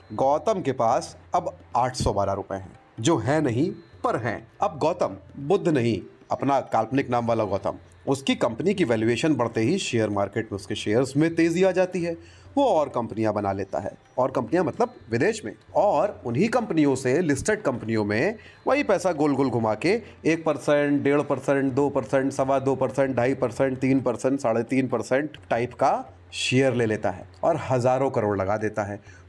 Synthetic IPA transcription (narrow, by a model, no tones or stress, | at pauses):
ɡɔːt̪əmkepaːsɐbaːʈʰsɔbaːɾaɾʊpḛɦɛ̰̃ː | d͡ʒoːɦɛ̃nɐɦĩpɐɾɦɛ̰̃ːɐb̚ɡɔːt̪əmbʊd̪ʱːnɐɦĩ | ɐpnakaːlpnɪknãːmʋaːlaɡɔːt̪ə̰m | ʊskikɐ̃mpnik̬iʋɛːljueːʃənbɐɽ̤t̪eɦiʃeːjəɾmaːɾkeːʈmẽʊskeʃeːəɾzmẽt̪eːziaːd͡ʒaːt̪iɦɛː | ʋoɔːɾkɐ̃mpnijãbɐnaleːt̪a̰ɦɛ̰ː | ɔːɾkɐ̃mpnijãmɐt̪ləb̚ʋɪd̪eːʃmḛ̃ | ɔːɾʊnɦikɐ̃mpnijõselɪsʈəɖkɐ̃mpnijõmẽʋɐɦipɛːsaɡoːlɡʊlɡʱʊmake | eːk̚pɐɾsɛ̃ɳʈɖeːɭpɐɾsɛ̃ɳʈ̚d̪oːpɐɾsɛ̃ɳʈsɐʋad̪oːpɐɾsɛ̃ɳʈ̚ɖʱaːipɐɾsɛ̃ɳʈ̚t̪iːnpɐɾsɛ̃ɳʈsaːɽet̪iːnpɐɾsɛ̃ɳʈʈaːɪpka | ʃeːjəɾleːleːt̪a̰ɦɛ̰ːɔːɾɦɐzaːɾõkɐɾoːɽlɐɡad̪eːt̪aɦɛː